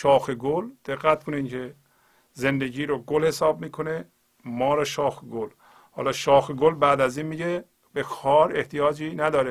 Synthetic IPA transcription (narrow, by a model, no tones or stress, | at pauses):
ʃɒːxeɡold̪̥eɣːæt̪̚kʰonincʰe | zend̪eɟiːɾoɡolhesɒːb̚miːkʰone | mɒːɾɔʃɒːxeɡol | hɒ̰ːlɒːʃɒːxeɡolbæːd̪æziːnmiːɟe | bexɒːɾeht̪ijɒːd͡ʒiːnæd̪ɒːɾe